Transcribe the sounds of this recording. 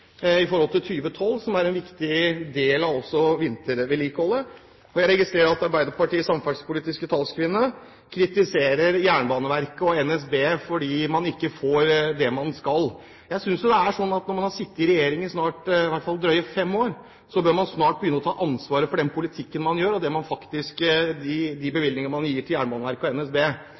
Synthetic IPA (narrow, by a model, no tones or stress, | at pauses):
ɪfɔɾhɔlt̪ɪlt̪ʰyːʋət̪ʰɔlːsɔmæɾɛnʋɪkt̪ɪd̪eːlɑʋɔsːɔʋɪnt̪əɾʋɛliːkəhɔlːə | ɔjæɪɾɛɡɪst̪ɾeːɾəɾɑt̪ɑɾbæɪd̪əpɑʈiːəsɑmfɑspʊliːt̪ɪskət̪ʰɑlskʰʋɪnːə | kʰɾɪt̪ɪseːɾəɾjæːɳəbɑːnəʋæɾkəɔɛnɛs̬beːfɔɖiːmɑnɪkːəfoːɾd̪ɛmɑnskɑl | jæɪsʏnsjʊd̪ɛæʂɔnːɑt̪nɔɾmɑnhɑɾʂɪt̪ːɪɾɛjeːɾɪŋəsnɑːʈɪʋæɪt̪fɑlˠd̪ɾœʏəfɛmːoːɾ | sɔbøːɾmɑnsnɑːʈ̚bəjʏnːɔt̪ʰɑːʔɑnsʋɑːɾəfɔɖɛnpʰʊlɪt̪ʰɪkːənmɑnjøːɾɔd̪ɛmɑnfɑkt̪ɪskd̪ɪd̪ɪbəʋɪlnɪŋənəmɑnjiːʈʰɪljæːɳəbɑːnəʋæɾkəɔɛnɛsbeː